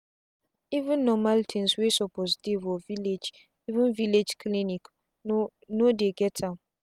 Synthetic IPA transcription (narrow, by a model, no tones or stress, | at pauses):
ivũnːɔmãltʰɛ̃nswesɔpʰosdevɔviled͡ʒ | ivĩnviled͡ʒkʰlĩnĩk | nodeɡɛtʰãn